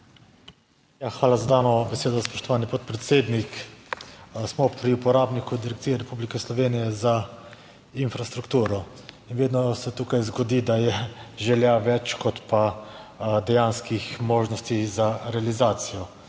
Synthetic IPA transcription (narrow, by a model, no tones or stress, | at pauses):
jaxʋaːlazad̪aːnɔbɛseːd̪ɔspɔ̥ʃt̪ɔʋaːnipɔt̪̚pɾɛt̪seːd̪nik | smɔpɾiupɔɾaːbnikud̪iɾɛkt̪siːjɛɾɛpublikɛslɔʋeːnijɛza | infɾast̪ɾukt̪uːɾɔ | inʋeːd̪nɔsɛt̪uːkajzɡɔd̪id̪ajɛʒɛljaʋɛt͡ʃkɔt̪pa | d̪ɛjanskixmoːʒnɔst̪izaɾɛalizaːt̪sijɔ